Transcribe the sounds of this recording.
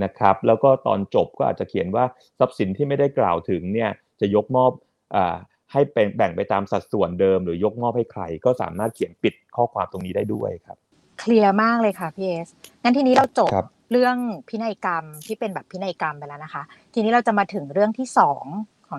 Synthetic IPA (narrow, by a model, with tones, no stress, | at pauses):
na˦˥kʰɾa˦˥p̚lɛː˦˥wkɔː˥˩t̪ɔ̰ː˧nt͡ɕo˨˩p̚kɔː˥ʔa̰˨˩t̪̚t͡ɕa˨˩kʰi˨˩ə˦nwaː˥˩ | sa˦˥p̚si˨˩˦nt̪ʰiː˥˩ma˥˩jda˥˩jkla̰ː˨˩wt̪ʰɯ˨˩˦ŋni˥˩ɐ | t͡ɕa˨˩jo˦˥k̚mɔː˥˩p̚ | ʔaː˨˩ | ha˥˩jpe˧ŋbɛ˨˩ŋpa˧jt̪aː˧msa˨˩t̪̚su˨˩əndɤː˧mɾɯː˩˦jo˦˥k̚mɔː˥˩p̚ha˥˩jkʰɾa̰˧jkɔː˥˩sa̰ː˩˦maː˥˩t̪̚kʰi˨˩˦ənpi˨˩t̪̚kʰɔː˥˩kʰwaː˧mt̪o˧ŋniː˦˥daː˥˩jdu˥˩əjkʰa˦˥p̚ | kʰli˧əmaː˥˩k̚lɤː˧jkʰa˥˩pʰiː˧ʔeː˦˥sŋa˦˥t̪ʰi˧niː˦˥ɾa˧wt͡ɕo˨˩a˦˥p̚ | ɾɯ˥˩əŋpʰi˦˥na˧jka˧mt̪ʰiː˥˩pe˧nbɛː˨˩pʰːi˦˥na˧jka˧mpa˧lːna˦˥kʰa˦˥ | t̪ʰiː˧niː˦˥ɾa˧wt͡ɕa˨˩maː˧t̪ʰɯ˨˩˦ŋɾɯ˥˩əŋt̪ʰiː˥˩sɔː˩˦ŋkʰɔː˩˦